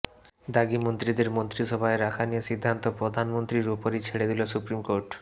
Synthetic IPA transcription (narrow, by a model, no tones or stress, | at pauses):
d̪aɡimont̪ɾid̪eɾmont̪ɾiʃɔbʱaeɾakʰanijeʃid̪ʱːant̪opɾod̪ʱanmont̪ɾiɾupoɾit͡ɕʰeɽed̪ilosupɾimkoɾʈ